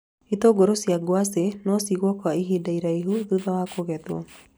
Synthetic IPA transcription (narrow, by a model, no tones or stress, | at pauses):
it̪ɔɡɔɾosiaɡwasenɔsiɣɔkɔaiɦidaiɾaiɦuðuðawakoɣɛt̪wɔ̰